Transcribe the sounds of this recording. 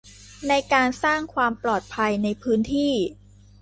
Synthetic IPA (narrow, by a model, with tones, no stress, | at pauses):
na˧jkaː˧nsaː˥˩ŋkʰwaː˧mplɔː˨˩t̪̚pʰa˧jna˧jpʰɯː˦˥nt̪ʰiː˥˩